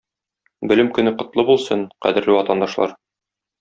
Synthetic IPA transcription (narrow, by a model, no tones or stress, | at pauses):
bɵ̆lɘmkɵ̆nɘqŏt̪lˠɤbulˠsɤɴqæ̰d̪ɘ̆ɾlɘwɒt̪ɑnd̪ɑʃlˠɑ̰ɾ